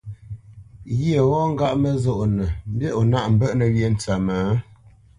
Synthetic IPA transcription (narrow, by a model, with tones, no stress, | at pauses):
ɣə˨wɔ˦ŋ̩˦ɡa˦ʔmə˨zo˦˨ʔnə˨m̩˦bje˦ʔo˨na˦ʔm̩˨bə˦ʔnə˨ɥje˨n˨t͡sa˨ma˨˦